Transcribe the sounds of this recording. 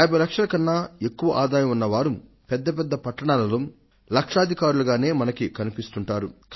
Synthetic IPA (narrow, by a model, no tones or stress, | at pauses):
jbʱɐjlɐkʂɐlɐkɐnːaːe̞kːuʋɐʔaːd̪aːjɐmunːɐʋaːɾu | pɛd̪ːɐp̬ɛd̪ːɐpɐʈːɐɳaːlɐloː | lɐkʂaːd̪ʱikaːɾuluɡaːne̞ːmɐnɐkikɐnipist̪uɳʈaːɾuk